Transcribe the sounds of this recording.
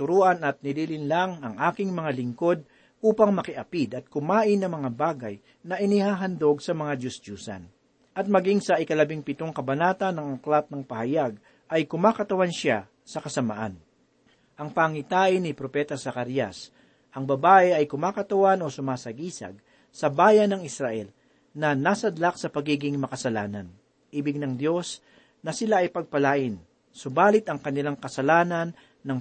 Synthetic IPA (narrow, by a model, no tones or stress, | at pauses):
t̪ʊɾuːʔɐnɐt̪̚nɪliːlɪnlaŋɐŋʔaːkɪŋmɐŋalɪŋko̞d̪̚ | ʔuːpɐŋmɐkɪʔɐpid̪ɐt̪̚kʊmaːʔɪnːɐŋmɐŋabaːɡɐj | nɐʔɪnihaːɦɐnd̪o̞ɡsɐmɐŋad͡ʒʊsd͡ʒuːsɐ̰n | ʔɐt̪̚mɐɡiŋsɐʔɪkɐlɐbiŋpɪt̪oŋkɐbɐnaːt̪ɐnːɐŋɐklat̪̚nɐŋpɐhɐjaɡ̚ | ʔɐjkʊmaːkɐt̪ɐwanʃa | sɐkɐsɐma̰ʔan | ʔɐŋpaŋɪt̪aːʔɪnɪpɾopɛːt̪ɐsɐkaɾjɐs | ʔɐŋbɐbaːʔɛɐjkʊmaːkɐt̪ɐwano̞sʊmaːsɐɡiːsɐ̰ɡ̚ | sɐbaːjɐnɐŋɪsɾaʔɛl | nɐnaːsɐd̪lak̚sɐpɐɡiːɡɪŋmɐkɐsɐlaːnɐn | ʔiːbɪɡ̚nɐŋd̪jo̞s | nɐsɪlaʔɐjpɐɡ̚pɐlaːʔɪn | sobaːlɪt̪ɐŋkɐnɪlaŋkɐsɐlaːnɐnː | ɐŋ